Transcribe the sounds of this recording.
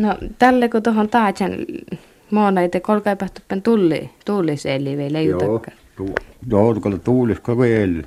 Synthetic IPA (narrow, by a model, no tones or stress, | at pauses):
not̪ælːekot̪ohont̪ɑːt̪ʲhɑn | moːnɑit̪ekolkɑˑipɑht̪upːent̪ulːḭt̪uːlːˑiseˑlːˑiʋeˑilejut̪ɑkːɑː | joːt̪ukɑlːt̪uːliskɑʋielː